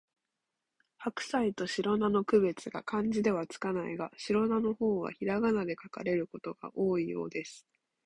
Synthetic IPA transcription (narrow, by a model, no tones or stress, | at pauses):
hakɯ̟̥sait̪o̞ɕiɾo̞nano̞kɯ̟βe̞t͡sɨɡa̰kãɲ̟d͡ʑid̪e̞β̞at͡sɨ̥kanaiɡaɕiɾo̞nano̞ho̞ːβa̰çiɾaɡanad̪e̞kaka̰ɾe̞ɾɯ̟ko̞t̪o̞ɡ̥a̰ʔo̞ːijo̞̰ːd̪e̞sɨ̥